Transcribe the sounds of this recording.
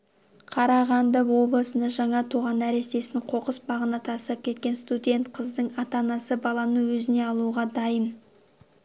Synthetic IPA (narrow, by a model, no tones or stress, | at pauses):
qʰɑɾɑʁɑnd̪ɑwo̞blˠəsənd̪ɑʒɑɴɑt̪ʰuʁɑnæɾe̞st̪e̞sɪɴqʰo̞qəsbɑʁənɑt̪ʰɑst̪ɑp̚kʲʰe̞t̪̚kʲe̞nst̪ud̪ʲe̞nt̪qʰəzd̪əɴɑt̪ɑnɑsəbɑlˠɑnəwɵzɪne̞ɑlˠuʁɑd̪ɑjən